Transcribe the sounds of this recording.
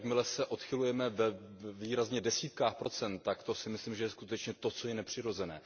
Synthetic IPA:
kmɪlɛsɛʔo̞t̪xɪlujɛmɛvɛ | viːɾazɲɛdɛsiːt̪kaːxpɾo̞t͡sɛnt̪ːakt̪o̞sɪmɪsliːmʒɛjɛskut̪ɛt͡ʃɲɛt̪o̞t͡so̞jɛnɛpr̥ɪɾo̞zɛnɛ̰ː

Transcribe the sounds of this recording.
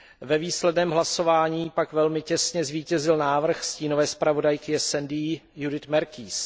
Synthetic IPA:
vɛviːslɛdnɛːmɦlaso̞vaːɲiːpakvɛlmɪcɛsɲɛzviːcɛzɪlnaːvr̩xsciːno̞vɛːspɾavo̞dajkɪɛsɛndiːjudɪt̪mɛɾkiːs

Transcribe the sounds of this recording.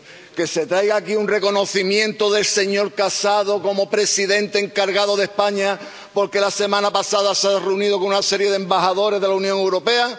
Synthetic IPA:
ke̞se̞t̪ɾajɣaːkiunre̞ko̞noθimjẽ̞nt̪oðe̞lse̞ɲo̞ɾkasaðo̞ko̞mo̞pɾe̞siðe̞nt̪eːŋkaɾɣaðo̞ð̞e̞hpaɲa | po̞ɾke̞lase̞mãnapasaðasareunið̞o̞koŋunase̞ɾje̞ðembahaðo̞ɾe̞ɦðelaunjoŋewɾo̞pe̞a

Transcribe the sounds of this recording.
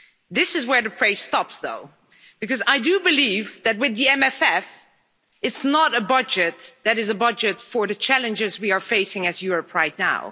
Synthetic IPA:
ðɪsɨzwə˞ðɨpʰɹ̥eɪstɑpsðo̰ʊ | b̥ɨkʌzaɪdɨbɨlivðɨt̚wɨðiɛ̃mɛfɛf | ɨtsnəɾəbʌd͡ʒɨt̪̚ðɨɾɨzəbʌd͡ʒɨtfə˞ðɨt͡ʃʰælˠɨ̃nd͡ʒɪzwiə˞feɪsɪ̃ŋɨzjʊɹəpʰɹaɪtⁿna̰ʊ

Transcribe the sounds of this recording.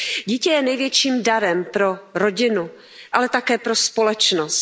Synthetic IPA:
ɟiːcɛjɛnɛjvjɛt͡ʃiːmdaɾɛmpɾo̞ɾoɟɪnu | ʔalɛt̪akɛːpɾo̞spo̞lɛt͡ʃnost̪

